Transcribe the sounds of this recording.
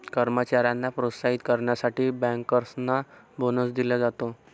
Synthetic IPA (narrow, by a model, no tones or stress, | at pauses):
kəɾmət͡ɕaɾjanːapɾot̪saɦit̪kəɾɳjasaʈiːbɛ̃ŋkːəɾsna | bonəsd̪iləd͡zat̪o